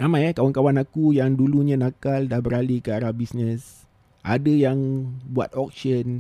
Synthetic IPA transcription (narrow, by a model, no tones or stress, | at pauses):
ramajakawankawanakujaŋduluɲãnakaldahbəɾalikəaɾabisnəs | ʔa̰dəjaŋbua̰t̪̚ɔk̚sən